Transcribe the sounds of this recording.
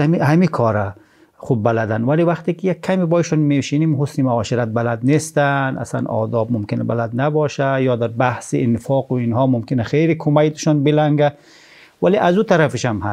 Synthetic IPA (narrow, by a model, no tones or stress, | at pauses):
ihamikʰɔɾa | χub̚ːalad̪anwaliwaxt̪ikijakʰːamibɔːiʃɔnmeʃinimɦʊsnimaɔːʃiɾat̪̚balad̪nest̪ana̰sla̰nɒ̰ːd̪ɒb̚mʊmkɪnaba̰lad̪nabɔʃajɔːd̪aɾbahsḭɪnɪfɒːquinɦɔːmʊmkɪnaxejɾikʰʊmajt̪ɪ̥ʃɔnbɪlaŋɡa | waliʔazut̪ʰaɾafɪʃamha